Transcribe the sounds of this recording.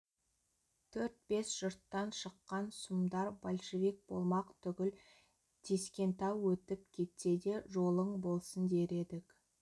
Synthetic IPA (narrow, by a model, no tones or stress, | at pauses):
t̪ʰɵɾt̪̚be̞sʒ̥ʊɾt̪ːɑnʃəqːɑnsumd̪ɑɾbolʲʃevik̚bo̞̰lˠmɑqt̪ʰʏɡʲɪl | t̪ʰe̞skʲe̞nt̪ɑwːɵt̪ɪp̚kʲʰe̞t̪se̞d̪e̞ʒo̞lˠəɴbo̞lˠsənd̪e̞ɾe̞d̪ɪk